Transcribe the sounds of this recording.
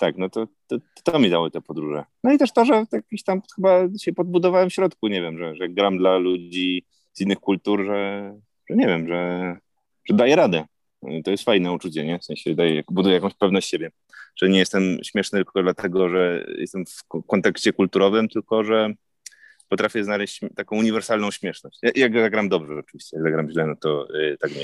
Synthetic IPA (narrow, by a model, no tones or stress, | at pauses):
t̪aknɔt̪ɔt̪ | t̪ɔmʲid̪awɘt̪ɛpɔd̪ɾuʐɛ̰nɔit̪ɛʂt̪ɔʐɛjakʲiɕt̪amxɘbaɕɛpɔd̪̚bud̪ɔvawɛmfɕɾɔt̪kuɲɛvʲjɛmʐɛʐɛɡɾamd̪lalud͡ʑi | z̥inːɘxkult̪uɾʐɛ | ʐ̥ɛɲɛvʲjɛmʐɛ | ʐ̥ɛd̪ajɛɾad̪ɛ | t̪ɔjɛst̪fajnɛut͡ʂut͡ɕɛɲɛfsɛ̃ɕɛd̪ajɛja̰kbud̪ujɛjakɔ̃w̃ɕt͡ɕpɛvnɔɕt͡ɕɕebʲjɛ | ʐ̥ɛɲɛjɛst̪ɛmɕmʲjɛʂnɘt̪ɘkɔd̪lat̪ɛɡɔʐɛjʔɛ̰st̪ɛmfkɔnt̪ɛkɕt͡ɕɛkult̪uɾɔvɘmt̪ɘlkɔʐɛ | pɔt̪ɾafʲjɛznalɛɕt͡ɕt̪akɔ̃w̃uɲivɛɾsalnɔ̃w̃ɕmʲjɛʂnɔɕt͡ɕjaʔjaɡzaɡɾamd̪ɔbʐɛɔt͡ʂɨvʲiɕt͡ɕɛjaɡzaɡɾamʑlɛnɔt̪ɔt̪akɲɛ